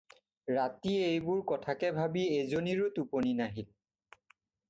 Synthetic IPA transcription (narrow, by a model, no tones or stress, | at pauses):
ɹatiejbʊɹkɔtʰakɛbʱabiezoniɹotuponinaɦil